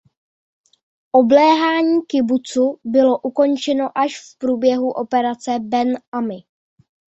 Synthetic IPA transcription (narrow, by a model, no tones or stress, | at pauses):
ʔoblɛːɦaːɲiːkɪbut͡subɪlo̞ʔuko̞nt͡ʃɛno̞ʔaʃfpɾuːbjɛɦuʔo̞pɛɾat͡sɛbɛnamɪ